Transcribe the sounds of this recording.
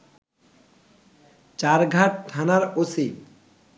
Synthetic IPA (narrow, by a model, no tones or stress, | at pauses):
t͡ɕaɾɡʱaʈ̚ʈʰanaɾosi